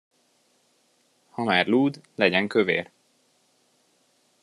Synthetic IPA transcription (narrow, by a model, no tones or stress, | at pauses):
hɒmaːrluːd̪lɛɟɛŋkøvḛːr